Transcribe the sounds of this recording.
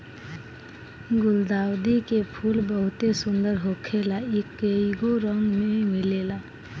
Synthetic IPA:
ɡʊld̪awd̪ikepʰulbəɦut̪esund̪əɾɦokʰelaikəiɡoɾəŋɡmemilela

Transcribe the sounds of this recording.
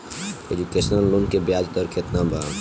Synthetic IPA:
ed͡ʒukesnəlːonkebjad͡ʒt̪ɔɾkʰet̪nabʱa

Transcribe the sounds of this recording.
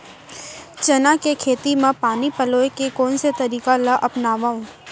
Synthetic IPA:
t͡ʃɐnakekʰeːt̪imẽpaːnipɐloːekekɔːnset̪ɐɾiːkalaʔɐpnaːʋaːũ

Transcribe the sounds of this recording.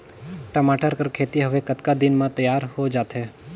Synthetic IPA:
ʈəmaːʈəɾkəɾkʰeːt̪iɦɐʋekɐt̪kad̪ɪnmãt̪ɐjaːɾhod͡ʒaːt̪ɦɛː

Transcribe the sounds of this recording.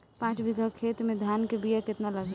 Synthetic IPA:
pãːt͡ʃbiɡʱəkʰeːt̪mẽd̪ʱjankebijakɪt̪naləɡ

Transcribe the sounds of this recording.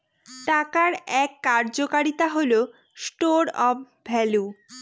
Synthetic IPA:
ʈakaɾɛkːaɾd͡ʑokaɾit̪aɦolo | sʈoɾɔf | bʱɛlu

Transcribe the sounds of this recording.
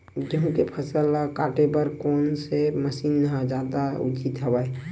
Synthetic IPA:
d͡ʒəɦũkepʰəsəlkaːʈepəɾkoːnseməsiːnːɦãd͡ʒjad̪aʊ̰t͡ʃit̪ɦəbae

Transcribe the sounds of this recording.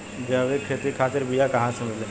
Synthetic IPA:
d͡ʒaʋekʰeːt̪ikʰaːt̪ɪɾbijakɐɦãsemɪle

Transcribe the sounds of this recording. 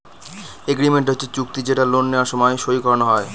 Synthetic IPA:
eɡɾimeɳʈɦotːʰet͡ɕuk̚t̪id͡ʑeʈalonːeoaɾʃɔmɔjʃoikɔɾonoɦɔe

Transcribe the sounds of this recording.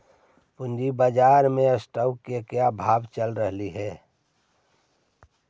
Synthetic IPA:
pʊnd͡ʒibad͡ʒaːɾmẽəsʈəwkːekjabʱaːbt͡ʃəlɾəɦliɦɛː

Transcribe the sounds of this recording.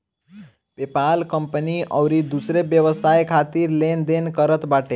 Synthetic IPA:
pepalkəmpəniʔə̰wɾid̪usɾebjəʋəsajkʰat̪iɾlend̪enkəɾət̪baːʈe

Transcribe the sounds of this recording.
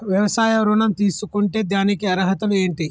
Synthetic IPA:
ʋjɐʋɐsaːjɐʋɾonɐmt̪iːsukuɳʈed̪ʱjaːnikeɐɾɐɦɐt̪ɐleːɳʈi

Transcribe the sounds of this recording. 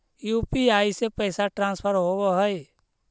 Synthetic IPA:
juːpiaːisepəːsaʈɾãːnspʰəɾɦoboɦəi

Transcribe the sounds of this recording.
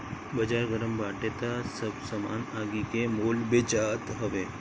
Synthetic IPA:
bəd͡ʑaɾɡəɾəmbaʈet̪asəbsəma̰naɡikemolbet͡ɕat̪ɦəʋe

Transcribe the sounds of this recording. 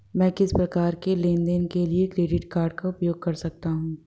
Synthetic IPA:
mɛ̃ːkɪspɾɐkaːɾkelẽːnd̪ɛnkeliekɾeːɖɪʈkaːɾɖ̚kaʊpjoːɡ̚kɐɾsɐk̚t̪aɦũː

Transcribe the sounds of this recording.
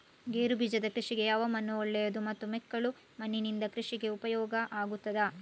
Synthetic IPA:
ɡeːɾubʱid͡ʒɐd̪ɐkɾiʂiɡe̞jaːʋɐmɐnːuɔɭːɛjɐd̪umɐt̪ːumɛkːɐɭu | mɐnːinind̪ɐkɾiʂiɡe̞upɐjɔːɡɐʔaːɡut̪ːɐd̪ɐ

